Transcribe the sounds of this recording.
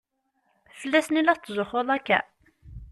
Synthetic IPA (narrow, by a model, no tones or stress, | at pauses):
θəlːæsnilːæθt͡s̪ːzʊχolˤækːæ̰